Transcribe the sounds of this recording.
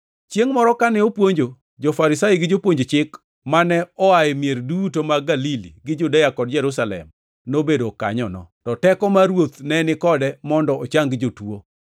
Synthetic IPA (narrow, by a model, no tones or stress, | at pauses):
t͡ʃjeŋmɔɾɔkanɛopwoɲd͡ʒo | d͡ʒofaɾɪsajiɡɪd͡ʒopwoɲd͡ʒot͡ʃɪk | manɛɔajɪmjeɾdutomaɡalilḭɡɪd͡ʒudajakɔd̚d͡ʒɛɾusalɛ̰m | nobedoka̰ɲɔnɔ̰tɔtɛkɔmaɾwot̪nɛnɪkɔdɛmɔndɔot͡ʃaŋɡd͡ʒotuo